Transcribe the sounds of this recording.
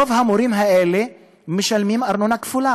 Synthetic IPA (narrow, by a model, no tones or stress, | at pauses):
ovhamoɾimɦaɛle | miʃalmimaɾnonaki̥fula